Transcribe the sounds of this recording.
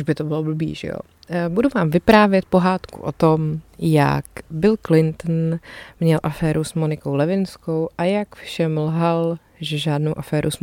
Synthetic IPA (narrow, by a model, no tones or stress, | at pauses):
ʒbɪt̪obɪlobl̩bḭːʒɛ̰jo̰ | buduvaːmvɪpɾaːvjɛt̪̚po̞ɦaːt̪kṵʔo̰t̪omja̰kbɪlklɪnt̪n̩mɲɛlʔafɛːɾusmonɪkowlɛvɪnsko̞wʔajakfʃɛmlɦal | ʒɛʒaːdnowʔafɛːɾṵs